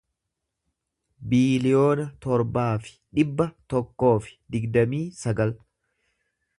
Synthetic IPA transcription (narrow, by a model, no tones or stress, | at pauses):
biːlɪjo̞ːnɐt̪ɔɾbaːfɪ̥ᶑɪbːɐt̪ɔkːo̞ːfɪ̥d̪ɪɡd̪ɐmiːsɐɡɐl